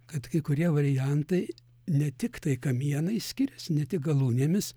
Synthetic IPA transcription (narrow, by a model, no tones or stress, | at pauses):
kɐt̪kɐɪkʊɾʲiɛʋɐɾʲɪjænt̪ɐɪ | nʲɛt̪ʲɪkt̪ɐɪkɐmʲiɛnɐɪsʲkʲɪɾʲɛsnʲɛt̪ʲɪk̚ɡɐlˠuːnʲeːmʲɪs